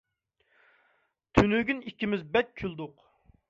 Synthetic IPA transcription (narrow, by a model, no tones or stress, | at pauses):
t̪ʰynyɡʲynikʲːimɪzbɛt̪̚ʲkʲʰyld̪ʊq